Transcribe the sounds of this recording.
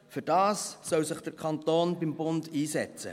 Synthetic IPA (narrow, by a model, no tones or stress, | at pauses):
fyɾd̥ɑːsːœwsɪχd̥əɾkʰχɑntoːnbimbʊndiːsɛt͡sə̰